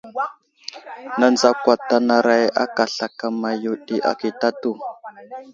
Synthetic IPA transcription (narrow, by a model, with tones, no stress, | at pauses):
na˨nd͡za˦kʷa˨ta˨na˨ɾa˨ja̰˦ka˨ɬa˨ka˨ma˨ju˨ɗi˨ʔa̰˨ki˨ta˦tu˦˨